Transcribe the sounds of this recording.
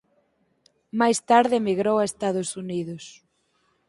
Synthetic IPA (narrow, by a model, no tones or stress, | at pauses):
majst̪aɾðɪmiɣɾowaest̪aðʊsuniðʊs